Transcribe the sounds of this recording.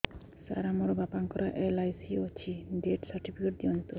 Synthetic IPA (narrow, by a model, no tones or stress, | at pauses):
sa̰ɾamoɾbapaŋkɔɾaʔelajsiot͡ɕʰiɖeʈsaɾʈipʰikeʈ̚d͡ʑɔnt̪o